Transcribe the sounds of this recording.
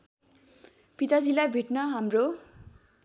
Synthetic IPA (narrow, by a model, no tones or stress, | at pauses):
pit̪ad͡zilajbʱeʈnʌɦamro